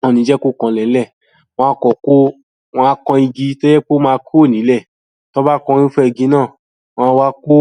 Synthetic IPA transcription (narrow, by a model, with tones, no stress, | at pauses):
ɔ̃˨˧nĩ˨˦d͡ʒɛ˦ko˦˨kɔ̃˧lɛ˨˦lɛ˦˨ | w̃ɔ̃˧a˧kɔ˨ko˦ | w̃ɔ̃˧a˧kɔ̃˧i˧ɡi˧to˦jɛ˦k͡po˦mãː˧ku˦o˦˨nĩ˨˦lɛ˦˨ | to˦ba˦kɔ̃˧ɾ̃ĩ˦fɛ˦˨ɡi˧˦nãː˦˨ | w̃ɔ̃˧wa˦ko˦